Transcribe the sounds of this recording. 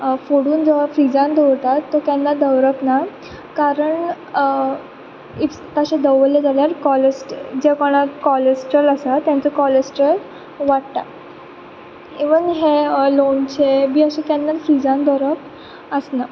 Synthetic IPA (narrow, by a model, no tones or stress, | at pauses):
foɽuːnd͡zəʋafɾid͡zãnd̪ɔwɾt̪at̪ːɔkjanːad̪əʋɾəpna | kaɾəɳ | i | t̪əɕẽd̪əʋəled͡zaljaɾkɔləsʈd͡ʑekɔɽ̃akɔləsʈələsat̪ːjãnt͡səkɔləsʈɾəl | ʋaʈt̪a | eʋənɦelont͡ɕebiːəɕẽkanːafɾid͡zãnd̪əwɾəp̚ | əsna